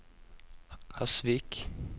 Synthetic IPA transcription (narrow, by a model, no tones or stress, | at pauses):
hasvik